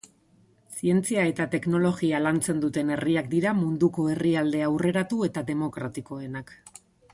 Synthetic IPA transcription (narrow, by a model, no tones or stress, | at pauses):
sie̞nt͡siae̞t̪at̪e̞kno̞lo̞ɣialant͡se̞nd̪ut̪e̞ne̞riak̚d̪iɾamund̪uko̞e̞riald̪e̞awre̞ɾat̪ue̞t̪aðe̞mo̞kɾat̪iko̞e̞nak